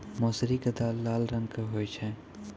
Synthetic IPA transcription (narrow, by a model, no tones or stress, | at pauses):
mɔːsɾikəd̪aːlːaːlɾə̃ŋɡkeɦoːjt͡ʃʰɛ